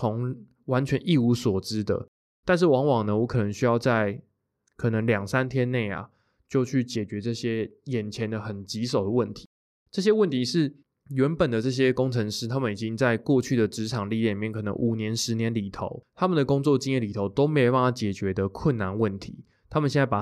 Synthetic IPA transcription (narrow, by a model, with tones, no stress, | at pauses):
o˧˦˥ŋ | wa˧˦˥nt͡ɕʰɥɛ˧˦nʔi˥˩u˧˥swɔ˨˩ʈ͡ʂɻ̩˥d̪ə̰˨ | t̪a˥˧nʂ̬ɻ̩˥˩wɑ˧˥ŋwɑ˨˩ŋnə˧˦wɔ˧˥kʰɤ˨˩nə˧˦ŋɕy˥jɑ˥˧ʊt͡sa˥˩ɪ | kʰɤ˨˩nə˧˦ŋljɑ˨˩ŋsa˦˥nt̪ʰjɛ˥nne˥˩ɪa̰˩ | t͡ɕjo˥˧ʊt͡ɕʰy˥˩t͡ɕjɛ˨˩t͡ɕɥɛ˧˥ʈ͡ʂɤ˥˩ɕjɛ˥jɛ˨˩nt͡ɕʰjɛ˧˦nd̪ə˨xə˨˩nt͡ɕi˧˥so˨˩ʊd̪ə˦wə˥˩nt̪ʰi̥˧˥˦ | ʈ͡ʂɤ˥˩ɕ̬jɛ˥wə˥˩nt̪ʰi˧˦ʂɻ̩˥˩ | ɥɛ˨˧˥npə˨˩nd̪ə˩ʈ͡ʂɤ˥˩ɕ̬jɛ˦˥ko˥ŋʈ͡ʂʰə˧˥ŋʂɻ̩˥t̪ʰa˥mə˨ni˨˩t͡ɕi˦ŋt͡sa˥˧ɪkwɔ˥˧t͡ɕʰy˥˩d̪ə˩ʈ͡ʂɻ̩˧˥ʈ͡ʂʰɑ˨˩ŋli˥˧˨i˥˨mjɛ˥˨nkʰɤ˨˩nə̰˧˦ŋʔu˨˩njɛ˧˦nʂɻ̩˧˥njɛ˧˦nli˨˩t̪ʰo̰˧˦ʊt̪ʰa˥mə˨nd̪ə˩ko˥ŋt͡swɔ˥˨t͡ɕi˥ŋjɛ˥˩nli˨˩t̪ʰo˧˥ʊt̪o˥ʊme˧˥jpa˥˩t̪ʰa˥˩t͡ɕjɛ˨˩t͡ɕɥɛ˧˦d̪ə˨kʰwə˥˨nːa˧˦nwə˥˩nt̪ʰḭ˧˥˦ | t̪ʰa˥mə˨nɕjna˥˩pa˨˩